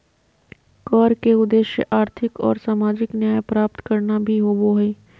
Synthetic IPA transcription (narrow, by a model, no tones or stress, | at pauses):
kɔːɾkeʊd̪eːʃjə̰ʔaːɾt̪ʰɪkɔ̰ːɾsaːmaːd͡ʒɪknjaːjpɾaːp̚t̪kɐɾnabʱiɦoːboɦeː